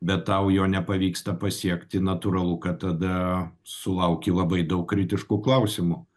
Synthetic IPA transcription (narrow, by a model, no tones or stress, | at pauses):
bʲɛt̪ːɐʊjoːnʲɛpɐʋʲiːkst̪ɐpɐsʲiɛkt̪ʲɪnɐt̪ʊɾɐlˠʊkɐtt̪ɐd̪ɐsʊlˠɐʊkʲiːlˠɐbɐɪd̪ɐʊkkːɾʲɪt̪ʲɪʃkuklˠɐʊsʲɪmʊ